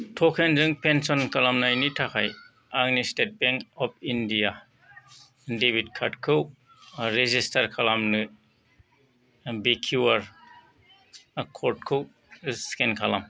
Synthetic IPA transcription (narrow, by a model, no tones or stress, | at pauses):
tʰɔkʰenzɯŋpensɔnkʰalamnajnitʰakʰaj | aŋnistet̚beŋkɔp̚ʰindija | debit̚kʰatkʰɯw | ɾezistaɾkʰalamnɯ | bekʰuwaɾ | kʰɔɾt̚kʰɯw | skenkʰalam